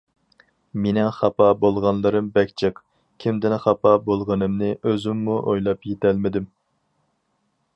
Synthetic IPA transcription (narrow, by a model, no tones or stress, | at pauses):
menɪχɑpɑbolˠʁɑnlˠɨɾɨmbɛkʲt͡ʃʰɪq | kʲʰimd̪ɪnχɑpɑbolˠʁənɨmnɨʔøzɪmːuʔojlˠɑpjet̪ʰælmɪd̪ɪm